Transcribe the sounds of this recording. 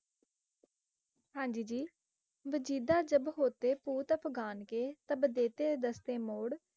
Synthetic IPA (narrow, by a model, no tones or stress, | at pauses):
ɦãːnd͡ʒiːd͡ʒiː | ʋəd͡ʒiːd̪aːd͡ʒəbɦoːt̪eːpuːt̪əpʰɡaːnkeːt̪əbd̪eːt̪eːd̪əst̪eːmoːɽ